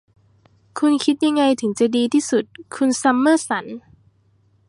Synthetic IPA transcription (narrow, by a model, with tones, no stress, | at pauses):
kʰu˧nkʰi˦˥t̪̚ja˧ŋːa˧jt̪ʰɯ˩˦ŋt͡ɕa˨˩diː˧t̪ʰiː˥˩su˨˩t̪̚kʰu˧nsa˧˥mːɤː˥˩sa˩˦n